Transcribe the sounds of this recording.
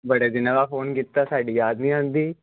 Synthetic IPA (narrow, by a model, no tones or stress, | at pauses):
bəɽeːd̪ɪnãːʋaːfoːnkiːt̪ːaːsaːɖiːjaːd̪nĩːɦãːnd̪iː